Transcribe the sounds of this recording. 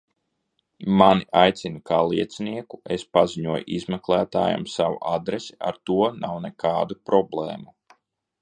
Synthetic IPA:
maniʔajt̪sʲinukaːlˠiɛt̪sniɛkuespaziɲuɔjʔizmɛklˠæːt̪a̰ːja̰msawṵʔad̪ɾesia̰ɾt̪uɔnawnɛkʰɑːd̪upɾɔblˠɛːmu

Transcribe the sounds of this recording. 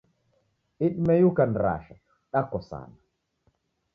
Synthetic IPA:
ʔiɗmɛjukanɾa̰ːʃa | ɗakːɔsa̰ːna

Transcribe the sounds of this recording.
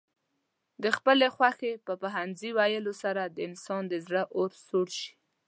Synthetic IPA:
d̪əxpəlexwaxepəpaɦanziwajəlosaɾad̪əɪnsɑnd̪əzɽəʔoɾsoɽʃi̥

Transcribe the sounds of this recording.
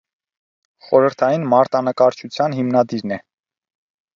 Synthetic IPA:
χɔɾəɾt̪ʰɑjinmɑɾt̪ɑnəkɑɾt͡ʃʰut͡sʰjɑnɦimnɑd̪iɾnɛ

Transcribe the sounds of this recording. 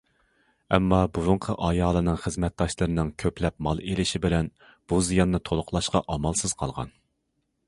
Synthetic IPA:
ɛmːɑbuɾʊɴqʰəʔɑjɑːlˠɨnɨŋχəzmɛt̪̚d̪ɑʃlˠɨɾɨnɨŋkʲʰøplɛp̚mɑlˠelɪʃibɪlɛn | b̥uzijɑnːɨt̪ʰolˠʊqlˠɑʃqɑʔɑmɑlˠsɨz̥qʰɑlˠʁɑ̰n

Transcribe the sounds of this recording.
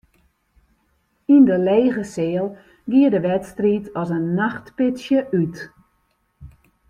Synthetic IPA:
indəleːɣəsɪːəlˠ | ɡiədəʋɛtstritʰɔsənːaxtpɪtsjəʔyt

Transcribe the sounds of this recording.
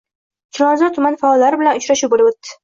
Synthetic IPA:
t͡ʃʲʰɪlˠɒnzɒt̪ʰːʊmanfaɒlːaɾɪbɪlanʊt͡ʃɾaʃʊbolɪbot̪ːɪ̥

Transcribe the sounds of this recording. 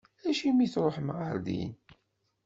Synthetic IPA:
æʃimiθɾˤoħmʕəɾd̪ḭn

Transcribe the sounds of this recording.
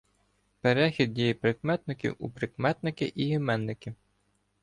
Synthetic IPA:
peɾɛxʲid̪̚dʲijipɾɪkmɛt̪̚nɪkʲiwṵpɾɪkmɛt̪nɪkɪʔiɦimɛnːɪkʲɪ

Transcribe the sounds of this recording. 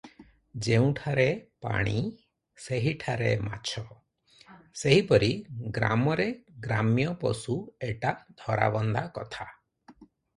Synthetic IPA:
d͡ʒeũʈʰaɾepa̰ɽ̃i | seɦiʈʰaɾḛma̰t͡ʃʰɔ | seɦipɔɾiɡɾa̰mɔɾeɡɾamjɔpɔsueʈad̪ʱɔɾa̰bɔnd̪akɔt̪ʰa

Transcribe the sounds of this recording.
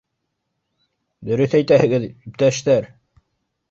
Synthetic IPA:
d̪ɵ̆ɾɵθæjt̪æhɘ̆ɡɘðyp̚t̪æʃt̪æɾ

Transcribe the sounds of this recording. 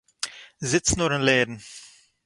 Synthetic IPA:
zɪt͡sn̩uɾɪnlɛːdn̩

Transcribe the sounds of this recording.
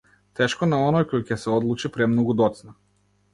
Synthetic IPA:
t̪ɛʃkɔnaɔnɔjkɔjcɛsɛɔd̪lˠut͡ʃipɾɛmnɔɡud̪ɔt̪sna

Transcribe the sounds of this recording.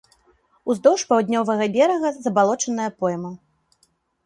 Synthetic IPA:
uzd̪ɔwʂpawd̪ʲnʲɔvɐɣɐbʲɛɾɐɣɐzɐbalˠɔt͡ʂɐnɐjɐpɔjmɐ

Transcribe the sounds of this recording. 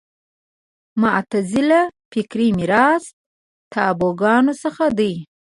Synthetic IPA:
maʔt̪azɪlafɪkɾimiɾɑs | t̪ɑboɡɑnosəxad̪əj

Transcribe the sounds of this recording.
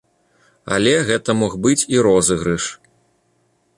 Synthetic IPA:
ɐ̰lʲɛɣɛt̪ɐmɔɣbɨt͡sʲiɾɔzɨɣɾɨʂ

